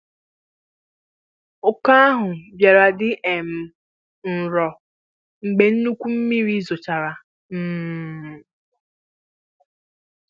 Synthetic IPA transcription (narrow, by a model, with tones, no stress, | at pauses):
ʊ˨ka˦a˦ɦʊ˨bja˨ɾa˨dɪ˦ʔe˨m̩˨ | n̩˨ɾɔ˨ | ŋ͡m̩˨ɡ͡be˨n̩˦nu˦kʷu˦m̩˦mi˦ɾi˦zo˨t͡ʃa˨ɾa˨ | m̩ː˦˨